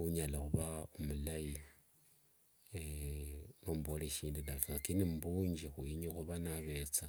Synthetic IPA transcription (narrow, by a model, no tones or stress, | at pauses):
uɲalaxuβaomulaji | nomboleʃiːndinakakinimbuːɲd͡ʒixuiɲixuβanaβe̞t͡sa